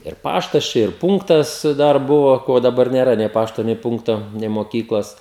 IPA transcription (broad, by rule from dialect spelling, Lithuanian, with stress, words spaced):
ɪr ˈpɑːʃtɐs ˈt͡ʃʲɛ ɪr ˈpʊŋktɐs ˈdɐr ˈbʊʋoː ˈkoː dɐˈbɐr nʲeːˈrɐ nʲɛɪ ˈpɑːʃtoː nʲɛɪ ˈpʊŋktoː nʲɛɪ moːˈkʲiːklˠoːs